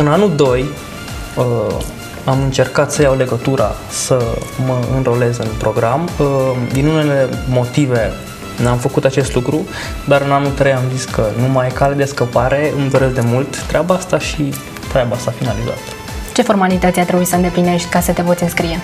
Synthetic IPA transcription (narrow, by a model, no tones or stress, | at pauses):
ɨnanuld̪o̞j | ə | amɨnt͡ʃe̞rkat̪səjawle̞ɡət̪uɾʔa̰ | səməɨnɾo̞le̞zɨnpɾo̞ɡɾaməd̪inune̞le̞mo̞t̪ive̞ | namfəkut̪at͡ʃe̞st̪lukɾu | d̪aɾɨnanult̪ɾe̞jamziskʰənumajkaled̪eskəpaɾʔe̞ɨmd̪o̞ɾe̞sd̪e̞mult̪ːɾeabaast̪aʃi | t̪ɾeabaast̪afinaliza̰t̪ə̥ | t͡ʃe̞fo̞rmalit̪ət̪ʲjart̪ɾebuisəɨnd̪e̞pline̞ʃt̪ʲkasət̪e̞vot̪sʲiɨnskɾije̞